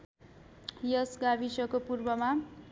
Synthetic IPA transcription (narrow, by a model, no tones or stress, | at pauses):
jʌsɡabisʌkopurbʌma